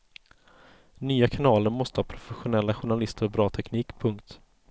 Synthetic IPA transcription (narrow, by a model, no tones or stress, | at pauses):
nyːakʰanɑːləɾmɔst̪əhɑːpʰɾʊfɛɧʊnɛlːaɧʊɳalɪst̪əɾɔbɾɑːt̪ʰɛkniːkpʰɵŋkt̪